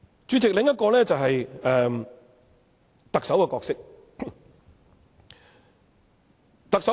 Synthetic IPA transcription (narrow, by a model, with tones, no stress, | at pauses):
t͡ʃyː˨˥t͡sɪ˨k̚lɪ˨˧ŋjɐ˥t̚kɔː˧lɛː˥t͡sɐ˨wɦɐ˨jɛː˨ | t̪ɐ˨k̚sɐ˨˥wkɛ˧kɔː˧k̚sɪ˥k̚ | t̪ɐ˨k̚sɐ˨˥